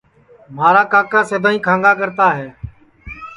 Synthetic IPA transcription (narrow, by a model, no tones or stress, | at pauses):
maːɾaːkaːkãːsəd̪ʱãːĩːkʰãːŋɡaːkəɾt̪aːɦeː